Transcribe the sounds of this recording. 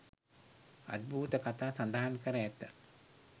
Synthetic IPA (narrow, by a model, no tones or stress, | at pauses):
a̰d̪̚bʱuːt̪əkat̪aːsand̪aɦankəɾəæt̪ːə